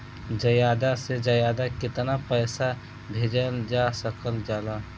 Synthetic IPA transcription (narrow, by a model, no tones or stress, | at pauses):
d͡ʒəjaːd̪ased͡ʒəjaːd̪akɪt̪napəːsa | bʱeːd͡ʒəld͡ʒaːsəkəld͡ʒaːla